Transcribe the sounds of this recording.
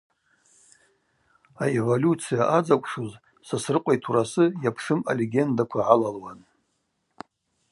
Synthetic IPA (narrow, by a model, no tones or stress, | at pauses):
aevolʲut͡sʰijaʔad͡zakʷʰʼʂuz | sasrɨqʷʼajtʰurasɨjapʰʂɨma̰leɡʲe̞ndakʷʰaʕalalwan